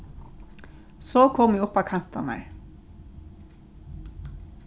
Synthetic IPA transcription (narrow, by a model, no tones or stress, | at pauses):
soːkʰɔmiːʊpɑːkʰɑnt̪ɑnæ̰ɹ